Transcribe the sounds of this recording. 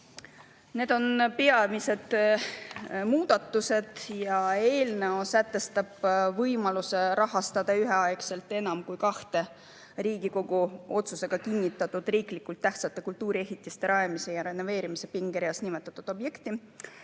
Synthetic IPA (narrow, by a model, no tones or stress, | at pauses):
ne̞ːd̪̥o̞npeɑmise̞d̪̥ | muːd̪̥ɑt̪ːuse̞d̪̥jɑe̞ːlne̞osæt̪ːˑe̞st̪ɑb̥vɤjmɑluse̞ɾɑɦɑst̪ɑd̪̥ɑyɦe̞ɑekse̞lt̪ːˑe̞nɑmkujkɑht̪e̞ | riːɡiko̞ɡuo̞t̪suse̞ɡ̥ɑkinʲːit̪ːˑɑt̪ːud̪̥riːklikːult̪ːæht̪sɑt̪ːˑe̞kult̪uːɾie̞ɦit̪ˑːist̪e̞ɾɑemise̞jɑɾe̞nːo̞ve̞ːɾimise̞piŋɡ̥eɾijɑsnimet̪ːˑɑt̪ːˑud̥̪o̞bje̞kt̪i